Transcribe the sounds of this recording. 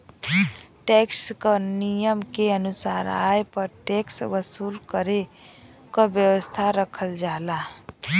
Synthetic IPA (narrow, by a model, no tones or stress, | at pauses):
ʈekskənijəmkeənusaɾa̰jpəɾʈeksʋəsulkəɾe | kəbjəwəst̪ʰaɾəkʰəld͡ʒala